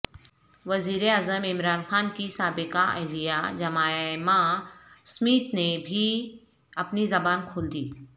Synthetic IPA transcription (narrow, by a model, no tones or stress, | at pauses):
ʋɐziːɾeaːzəmɪmɾaːnxaːnkisaːbɪkaʔɛ̰ɦlijad͡ʒɐmaːmãsmiːt̪nebʱi | ɐpnizɐbaːnkʰoːld̪iː